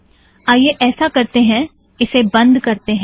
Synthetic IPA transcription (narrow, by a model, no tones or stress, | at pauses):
aːjeʔɛːsakɐɾt̪eɦɛ̃ | ɪsebɐ̃nd̪kɐɾt̪eɦɛ̃